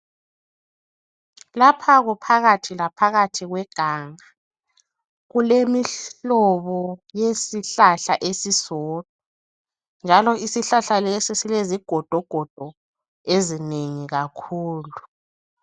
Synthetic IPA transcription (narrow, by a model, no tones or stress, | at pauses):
lapʰaɣupʰaɣatʰilapʰaɣatʰiɣwɛɡ̥ʱaːŋa | ɣulemiɬɔβɔjesiɬaɬaʔesisɔːd̥ʱɔ | nd͡ʒʱalɔisiɬaɬalesisileziɡ̥ʱɔd̥ʱɔɡ̥ʱɔd̥ʱɔ | ezineŋiɣakʰuːlu